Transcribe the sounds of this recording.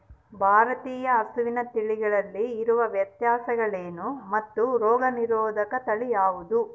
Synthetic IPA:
bʱaːɾɐt̪iːjɐːst̪uʋinɐt̪iɭiɡɐɭɐlːiːɾuʋɐʋjɐt̪jaːsɐɡɐɭeːnumɐt̪ːuɾɔːɡɐniɾɔːd̪ʱɐkɐt̪ɐɭijaːʋud̪u

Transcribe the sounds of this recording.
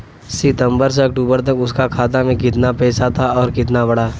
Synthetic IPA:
sɪt̪ə̃mbəɾs̬eɐk̚ʈuːbəɾt̪̬ɐkʊskakʰaːt̪amẽkɪt̪napɛːsat̪ʰaɔːɾkɪt̪̬nabɐɽaː

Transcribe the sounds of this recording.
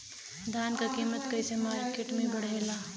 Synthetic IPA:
d̪ʱaːnkakiːmət̪kɐisemaːɾkeʈmẽbɐɽ̤eːlaː

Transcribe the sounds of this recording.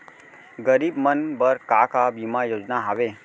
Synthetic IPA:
ɡəɾibmənbəɾkakabimãjod͡ʒnaɦaʋe

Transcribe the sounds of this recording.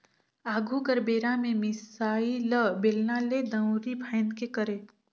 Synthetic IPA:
aːɡʱuɡəɾbeːɾamẽmɪsaːiləbeːlnaled̪ə̃wɾibʰʱaɪnd̪kekəɾeː

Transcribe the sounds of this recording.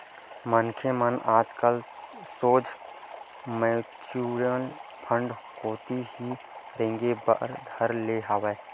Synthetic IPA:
mənkʰemənaːd͡ʒkəlsoːd͡ʒ | meːt͡ʃuːɾijəlpʰə̃ɳɖ | koːt̪ihi | ɾẽːŋɡebə̰ɾd̪ʱəɾleɦaʋɛː

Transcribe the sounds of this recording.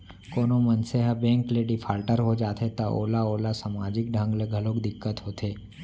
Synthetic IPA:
koːnomɐnseɦəbɛ̃ːŋkleɖifʰaːlʈəɾɦod͡ʒaːt̪et̪ao̰ːlaoːlasamaːd͡ʒɪk̚ɖʱə̃ŋɡleɡʱəlokd̪ɪkːət̪ɦoːt̪ʰeː

